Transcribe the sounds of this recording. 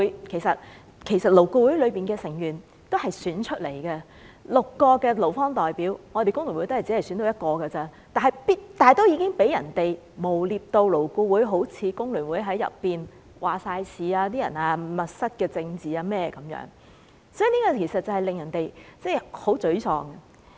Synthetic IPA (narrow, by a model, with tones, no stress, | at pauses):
u˨˥jkʰe˨˩jsɐ˨t̚ | kʰe˨˩jsɐ˨t̚lo˨˩wku˧wu˨˥jlɵ˨˧piː˨˩nkɛː˧sɪ˨˩ŋjyː˨˩n | t̪o˥wɦɐ˨jsyː˨˥nt͡ʃʰɵ˥t̚le˨˩jkɛ˧ | lʊ˨kːɔː˧kɛː˧lo˨˩wfɔː˥ŋt̪ɔː˨˩jpiː˨˥wŋɔː˨˧te˨jkʊ˥ŋlyː˨˩nwu˨˥jt̪o˥hɐ˨˩t͡siː˨˥ɐ˨jsy˨˥nt̪o˧wjɐ˥t̚kɔː˧ɡɐː˧t͡sɐː˥ | t̪aː˨nɦɐ˨jpiː˥t̚t̪aː˨jt̪o˥wjiː˨˧kɪ˥ŋpe˨˥jɐ˨˩nt̪e˨j | mo˨˩wliː˧p̚t̪o˧wlo˨˩wku˧wuː˨˥jɦo˨˥wt͡sʰiː˨˧kʊ˥ŋlyː˨˩nwuː˨˥jɦɐ˨˥jːɐ̰˨pːiː˨n | wʔaː˨saː˧jsʰiː˨˧aː˧t̪̬iː˥jɐ̰˨˩naː˧mɐ˨t̚sɐ˥t̚kɛː˧t͡sɪ˧ŋt͡siː˨aː˧mɛː˥kɐ˨˥mjœ̰ː˨˥ŋ | sɔ˨˥˨niː˥kaː˧˩kʰe˨˩jsɐ˨t̚t͡sɐ˨whɐ˨jlɪ˨ŋjɐ˨˩nt̪e˨jt͡sɛː˥˩ho˨˥wt͡sɵ˨˥ɥt͡sʰɔː˧ŋɐ˧